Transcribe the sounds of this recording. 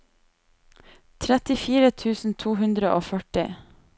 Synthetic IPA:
t̪ʰɾɛt̪ɪfiːɾət̪ʰʉːsn̩t̪ʰuːhʉnd̪ɾəʔoːfœʈɪ

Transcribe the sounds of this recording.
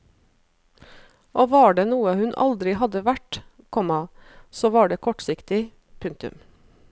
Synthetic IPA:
ʔoːʋɑːɖeːnuːəhʉnʔɑ̰ld̪ɾɪhɑd̪əʋæʈ | kʰɔmɑsoːʋɑːɖeːkʰɔʈsɪkt̪ɪ | pʰʉŋ̚t̪ʉ̰m

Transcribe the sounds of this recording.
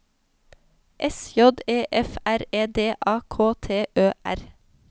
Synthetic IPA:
ʔɛsjɔd̪eːʔɛfæɾeːd̪eːʔɑːkʰoːt̪ʰeːʔøːʔæ̰ɾ

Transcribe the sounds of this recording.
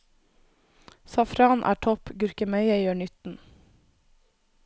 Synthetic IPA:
sɑfɾɑːnʔæ̰ːʈʰɔpɡʉɾkəmæɪəjøːɳʏt̪n̩

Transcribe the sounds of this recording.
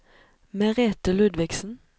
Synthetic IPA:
meʁeːt̪əlʉd̪ʋɪɡsn̩

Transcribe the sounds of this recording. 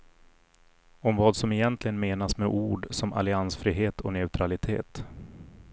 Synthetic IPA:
ɔmvɑːd̪sɔmɛjɛnt̪ʰlɪɡənmeːnasmɛʔuːɖsɔmʔa̰lɪansfɾiːɦeːt̪ʰɔnɛʉ̟t̪ʰɾalɪt̪ʰḛːt̪

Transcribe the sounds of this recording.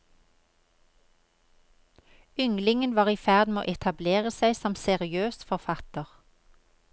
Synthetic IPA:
ʏŋlɪŋənʋɑːʁiːfæʁd̪meo̰ːʔɛt̪ʰɑbleːʁəsæɪsɔmsɛʁɪøːsfɔʁfɑt̪əʁ

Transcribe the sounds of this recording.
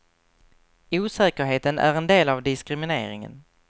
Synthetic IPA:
uːsɛːkəɾɦeːt̪ənʔæ̰ɾɛnd̪eːlavd̪ɪskɾɪmɪnḛːɾɪ̰ŋə̰n

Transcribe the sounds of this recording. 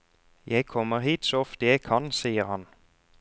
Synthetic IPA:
jæɪkʰɔməʁhiːt̪soːɔft̪əjæɪkʰɑnsiːəʁhɑn

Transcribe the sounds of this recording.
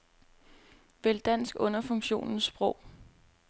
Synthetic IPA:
ʋeld̥æn̰sɡ̥ɔ̽nɐfɔ̽ŋɕo̝̰ːnn̩sb̥ʁɔʊ̰

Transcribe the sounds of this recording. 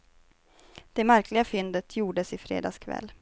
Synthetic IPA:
d̪̥ɛmæɾkʰlɪɡafʏnd̪ət̪ʰjuːɖəsɪfɾḛːd̪ɑ̰ːskʰvɛ̰lː

